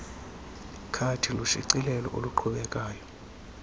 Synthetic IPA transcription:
kʰatʰiluʃiǀilɛlɔ̰ʔo̰luǃʰuɓɛkʼaːjɔ

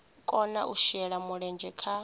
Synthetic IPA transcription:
kʼɔnaʔuʃɛɺamuɺɛnd͡ʒʱɛkʰa

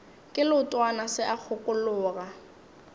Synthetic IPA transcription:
kʼɪlʊtʼwanasɪʔak͡xʰʊkʼʊlʊːɣa

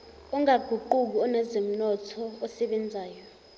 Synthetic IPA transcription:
ɔŋaɡ̥ʱuǃuk̬uɔnɛzem̩nɔtʰɔːsɛɓɛnd͡zʱaːjɔ

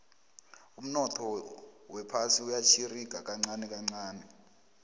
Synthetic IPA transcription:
um̩nɔtʰɔwɛpʰasiujat͡ʃʰiriɡ̥ʱak̬ʼaŋ͡ǀanɛk̬ʼaŋ͡ǀaːnɛ

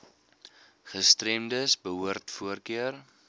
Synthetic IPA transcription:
χəstrɛmdəsbəɦuərtfuərkiər

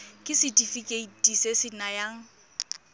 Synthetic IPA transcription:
kʼɪsɪtifikʼetisesɪnajaŋ̩

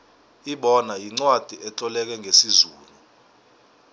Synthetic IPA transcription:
iɓɔnajiŋ͡ǀwad̥ʱiʔɛt͡ɬʼɔlɛk̬ɛŋʱesizuːlu

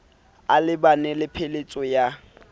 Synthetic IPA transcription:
alɪbanɛlɪpʰelet͡sʼɔja

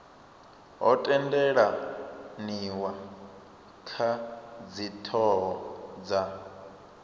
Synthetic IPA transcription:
ɦɔ̰tʼɛndɛɺaniwa | kʰad͡zitʰɔɦɔd͡za

